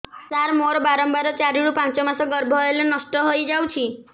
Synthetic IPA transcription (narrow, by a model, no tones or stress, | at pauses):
saɾmoɾbaɾɔmbaɾɔt͡ʃaɾiɽupãnt͡ʃɔmasɔɡəɾbʱɔelenəsʈɔɦojd͡ʒawt͡ʃʰi